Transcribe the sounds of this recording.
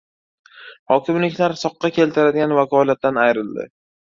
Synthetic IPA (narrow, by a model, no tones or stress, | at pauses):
hɒkʲɪmlɪkʲʰlaɾsɒqːɑkʲʰe̞lt̪ʰɪɾad̪ɪɡʲanvakʰɒlat̪̚ːanajɾɪld̪ɪ̰